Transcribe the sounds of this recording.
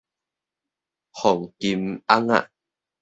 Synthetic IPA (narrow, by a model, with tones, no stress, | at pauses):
hɔ˨˩ŋki˧ma˦ŋa̰˦˨ʔ